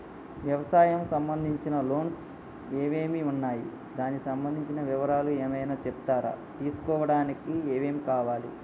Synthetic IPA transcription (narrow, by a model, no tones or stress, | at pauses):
ʋjɐʋɐsaːjɐmsɐmbɐnd̪ʱiɲt͡ʃinɐlo̞ːns | e̞ːʋe̞ːmiunːaːjḭ | d̪aːnikisɐmbɐnd̪ʱiɲt͡ʃinɐʋiʋɐɾaːlueːmɐjnaːt͡ʃɛp̚t̪aːɾa̰ːt̪iːsu̥kɔːʋɐɽaːnikieːʋe̞ːmikaːʋaːlḭ